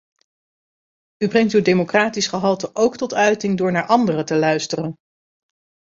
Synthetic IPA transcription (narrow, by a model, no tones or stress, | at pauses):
ybrɛŋtywdejmokraːtisχəɦɑlˠtəʔowktɔtœɥtɪŋdʊːɹnaːɹʔɑndərətəlœɥstərən